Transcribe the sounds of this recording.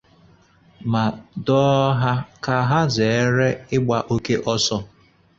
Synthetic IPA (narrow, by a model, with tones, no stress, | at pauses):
ma˨dɔ˦ɦa˦ka˨ɦa˦ze˨e˦ɾe˦ɪ˦ɡ͡ba˨ʔo˦ke˦ʔɔ˦sɔ˦